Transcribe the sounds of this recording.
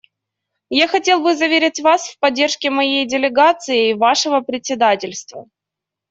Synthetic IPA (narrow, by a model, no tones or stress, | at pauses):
jaxɐtʲe̞lˠbɨzɐvʲeɾʲɪtʲvasfpɐdʲːe̞rʂkʲɪmɐjejdʲɪlʲɪɡat̪sɨɪvaʂɨvəpɾʲɪtʲsʲɪd̪atʲɪlʲst̪və̰